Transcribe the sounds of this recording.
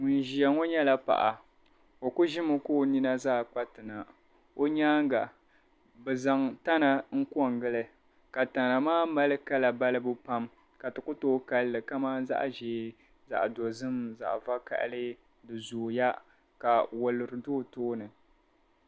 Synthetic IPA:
ŋ˨n̩˨ʒi˨a˨ŋo˦ɲɛ˦la˦pa̰˨ʔa˨ | o˨kʊ˦ʒɪ˦mɨ˦koː˦˨ni˦na˦zaː˦˨k͡pa˦tɨ˨na˨ | o˦ɲaː˦ŋ˦ɡa˨ | bɨ˨za˨ŋta˦na˨ŋ̩˦ku˦ɔ˦˨ŋɡɨ˦lɨ˦ | ka˨ta˨na˨maː˦ma˦lɨ˦ka˦la˨ba˦lɨ˦bɨ˦pa˦m | ka˨tɨ˨kʊ˦toː˦ka˦lːɨ˨ka˦maː˦za̰˦ʔʒeː˨˦ | za̰˨ʔdo˨zɨ˦mza̰˨ʔva˦ka̰˨ʔlɨ˦ | dɨ˨zoː˨ja˦ | ka˨wo˨lːɨ˨ɾɨ˨doː˦toː˦nɨ˨

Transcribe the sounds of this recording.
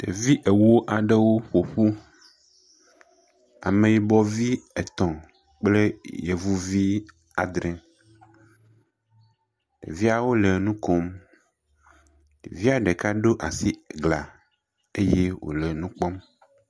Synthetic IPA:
t̪e˨vi˦ʔe˨wo˦ʔa˨ɖe˦wo˦ɸo˨ɸu˦ | a̰˨mẽ˨je˨bɔ˦vi˦e˨t̪ɔ̃˨ | k͡ple˦je˨vu˦vi˦ | a˨d̪ɾɛ̃˨ | tḛ˨vi˦a˨wo˦le˨nũ˦ko˦m | ɖḛ˨vi˦a˨ɖe˨ka˦ɖo˦ʔa˨si˦ɡla˨ | e˦je˦wo̰˨le˨nũ˦k͡pɔ˦m

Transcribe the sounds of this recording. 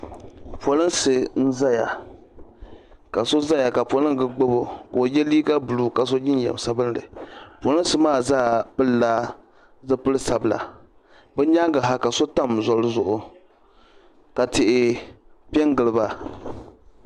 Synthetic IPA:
po˨lɨ˦nsɨ˨n̩˦za˦ja̰˨ | ka˨so˦za˦ja˨ka˨po˦lɨ˦ŋ˦ɡɨ˨ɡ͡bo˦bo˨ko˨jɛ˦liː˦ka˦bu˨lu˨ka˨s̬o˦ɲɪ˦n˦jɛ̰˨m˨sa˦bɨ˦n˦dɨ̰˨po˨lɨ˦n˦sɨ˦maː˦˨zaː˦˨bɨ˦laː˦ | zɨ˦pɨ˦lɨ˦sa˨bɨ˨la̰˨ | bɛ˦ɲa˦ŋɡɨ˨ɦa˦ka˨so˦ta˦˨mzɔ˨lɨ˦zʊ˨ʔʊ˨ | ka˨tɪ˨ʔɪ˦ | pi˦ɛ˦ŋ˦ɡɨ˨lɨ˨ba˦

